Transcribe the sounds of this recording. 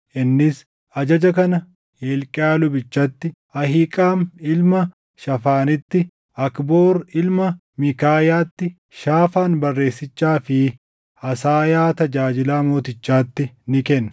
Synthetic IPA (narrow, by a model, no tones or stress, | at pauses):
ʔɪnːɪs | ʔɐd͡ʒɐd͡ʒɐkɐnɐ | heːlkʼɪaːlʊbɪt͡ʃːɐt̪ːɪ | ɐɦikʼaːmɪlmɐ | ʃɐfaːnɪt̪ːɪ | ɐkbo̞ːɾɪlmɐ | mɪkaːjaːt̪ːɪ | ʃaːfaːnbɐrːe̞ːsːɪt͡ʃːaːfɪ | ɐsaːjaːt̪ɐd͡ʒaːd͡ʒɪlaːmo̞ːt̪ɪt͡ʃːaːt̪ːɪnɪkɛnː